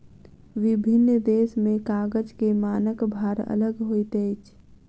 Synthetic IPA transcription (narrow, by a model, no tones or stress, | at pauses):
ʋibʱinːd̪esmekaɡəd͡ʒkemaːnəkbʱaɾə̰ləɡɦojt̪əjt͡ʃʰ